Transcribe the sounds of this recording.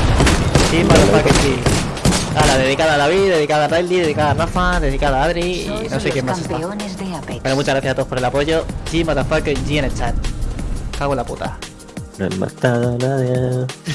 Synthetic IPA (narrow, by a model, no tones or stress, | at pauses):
ʝimat̪afaked͡ʒi | alaðe̞ðikaðalaβiðe̞ðikaðarajliðe̞ðikaðarafaðe̞ðikaðaaðɾiḭnosekjemːasea | wenomut͡ʃaɣɾaθjasat̪opoɾe̞lapo̞ʝoʝimat̪afakeɲʝienet͡ʃan | kaɣwelapṵt̪a̰ | noḛmma̰t̪aðonaðje